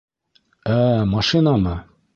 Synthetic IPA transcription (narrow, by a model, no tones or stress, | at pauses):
æmɑʃinɑmɤ